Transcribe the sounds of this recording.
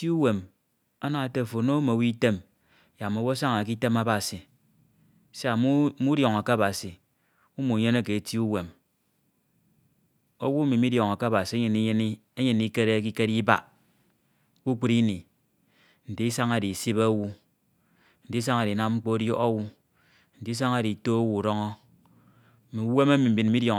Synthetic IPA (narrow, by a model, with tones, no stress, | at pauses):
i˦u˦we˨m | o˦na˨te˦˨fo˨˦no˦mo˨wi˦i˦te˦m˨ | ja˨mo˨wu˦a˦sa˦ŋa˨k̬i˦te˦ma˦ba˨si˨ | se˦a˨m˦mu˦djo˨ŋa˨ka˦a˦ba˨si˨ | u˦mu˨ɲe˦ne˦ke˨ti˦u˦we˨m | o˦wu˦mi˨mi˦djo˨ŋa˨ka˦ba˨si˨e˦ɲe˨ni˦ɲe˦ni˦e˦ɲe˨n˨˦i˦ke˦ɾe˦ki˦ke˦ɾi˦ba̰˨˦ | ku˦k͡pu˦ɾi˦ni˨ | n̩˨di˦i˦sa˦ŋa˦di˨si˦ba˦wu˦ | n̩˨di˦sa˦ŋa˨ɾi˨na˦m˦ŋ͡m̩˦k͡po˦djo˦o˦wu˦ | n̩˨di˦s̬a˦ŋa˦di˨to˦o˦wu˨u˨ɾo˦ŋɔ˦˨ | mi˨u˦we˦me˦mi˨m̩˨bi˨nm̩˦mi˦djo˨